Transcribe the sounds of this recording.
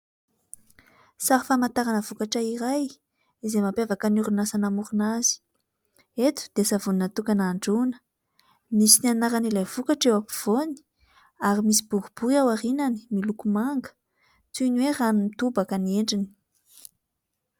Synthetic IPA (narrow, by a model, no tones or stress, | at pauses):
saɾifamant̪aɾanəvukaʈ͡ʂəiɾaj | izemapavakanuɾunasanamuɾunazi̥ | et̪u̥d̪̥easavuninat̪ukanaɳɖ͡ʐunə̥ | misinianaɾanilajvukaʈ͡ʂewapiv̥oni̥ | aɾimisibuɡub̥uɾiawaɾinani̥milukumaŋɡə̥ | t͡sunweraninit̪ubakənieɳɖ͡ʐini̥